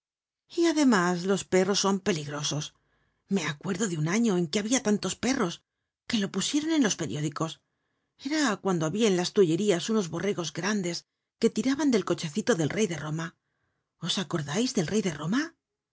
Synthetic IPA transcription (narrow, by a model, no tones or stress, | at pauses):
iaðe̞maslo̞spe̞ro̞sːo̞mpe̞liɣɾo̞so̞s | me̞akwe̞ɾðo̞ðeunaɲo̞e̞ŋke̞aβiat̪ant̪o̞spe̞ro̞s | ke̞lo̞pusje̞ɾo̞nẽ̞nlo̞spe̞ɾjo̞ðiko̞s | e̞ɾakwand̪oaβiaenlast̪uʝe̞ɾiasuno̞zβo̞reɣo̞zɡɾand̪e̞s | ke̞t̪iɾaβand̪e̞lko̞t͡ʃe̞θit̪o̞ðe̞lrʔe̞jðe̞roma | o̞sako̞ɾðajzðe̞lre̞jðe̞ro̞ma